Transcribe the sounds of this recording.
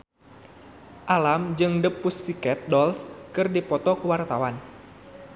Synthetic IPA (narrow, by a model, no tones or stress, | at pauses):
ʔalamd͡ʒɨŋdəpːusːikɛt̪̚dɔlskɨrdipɔt̪ɔkəwart̪awan